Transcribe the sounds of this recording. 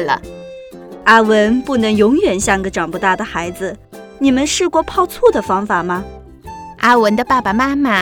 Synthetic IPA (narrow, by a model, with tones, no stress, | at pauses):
lə̰˧˩ | a˥wə˧˥npu˥˩nɤ˧˥ŋjʊ˧˥ŋɥɛ˨˩nɕjɑ˥˩ŋɡə˧ʈ͡ʂɑ˨˩ŋpu˥t̪a˥˩d̪ə˩xa˧˥ɪd͡zɹ̩˧ | ni˨˩mə˦nʂɻ̩˥˧kwɔ˥˧pʰɑ˥˧ʊt͡sʰu˥˩d̪ə˩fɑ˥ŋfa˨˩mɐ˦ | a˥wə˧˥nd̪ə˧pa˥˩pa˩ma˥ma˨˩